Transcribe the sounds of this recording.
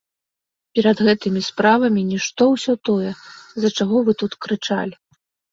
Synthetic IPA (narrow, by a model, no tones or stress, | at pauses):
pʲɛɾɐd̪ɣɛt̪ɨmʲispɾavɐmʲinʲiʂt̪ɔwsʲɔt̪ɔjɛzɐt͡ʂaɣɔvɨt̪ut̪kɾɨt͡ʂa̰lʲi